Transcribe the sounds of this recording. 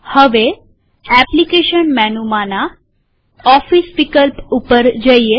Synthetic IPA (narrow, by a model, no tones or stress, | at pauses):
həʋe | ɛplikeʃənmɛnumana | ɔfisʋikəlpupəɾd͡ʒəie